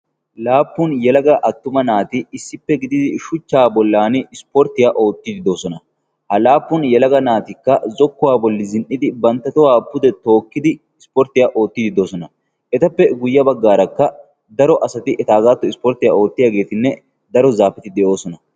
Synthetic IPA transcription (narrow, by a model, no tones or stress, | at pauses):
laːpːʊnjɛlɐɡɐʔɐt̪ːʊmɐnaːt̪ɪɪsːɪpːɛɡɪd̪ɪd̪ɪʃʊt͡ʃːaːbɔlːaːnɪspɔɾt̪ːɪjaːʔo̞ːt̪ːɪd̪ɪd̪o̞ːsɔnɐ | hɐlaːpːʊnjɛlɐɡɐnaːt̪ɪkːɐzɔkːʊwaːbɔlːɪzɪnʔɪd̪ɪbɐnt̪ːɐt̪ɔwaːpʊd̪ɛt̪o̞ːkːɪd̪ɪːspɔɾt̪ɪjaʔo̞ːt̪ːɪd̪ɪd̪o̞ːsɔnɐ | ʔɛt̪ɐpːɛɡʊjːɐbɐɡːaːɾɐkːɐ | d̪ɐɾɔʔɐsɐt̪ɪʔɛt̪aːɡaːt̪ːɔɪspɔɾt̪ɪja̰ːo̞ːt̪ːɪjaːɡe̞ːt̪ɪnːɛ | d̪ɐɾɔzaːfɛt̪ɪd̪ɛʔo̞ːsɔnɐ